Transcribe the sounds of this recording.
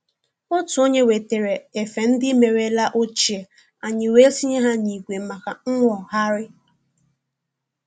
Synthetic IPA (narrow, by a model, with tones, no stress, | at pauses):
ʊ˦tu˨o˦ɲe˦we˨te˨ɾe˨e˨fe˨n̩˦dɪ˦me˨ɾe˦la˦ʔo˦t͡ʃi˨e˨ | a˨ɲɪ˨we˦si˦ɲe˦ɦa˦ɲi˨kʷe˨m̩˦ma˨ka˨ŋ̩˦ŋʷɔ˨ɦa˦ɾɪ˦